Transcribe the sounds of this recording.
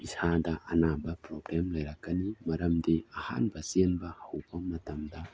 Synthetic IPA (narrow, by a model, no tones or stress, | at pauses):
isadɐʔɐnabɐpɾoɡɾemlɐjɾak̚ːanimɐɾɐmdiaha̰npasienbɐhawbɐmɐtɐmdɐ